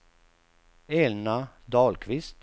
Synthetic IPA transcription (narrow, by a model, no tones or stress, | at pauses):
ɛːlna | d̪ɑːlkʰvɪst̪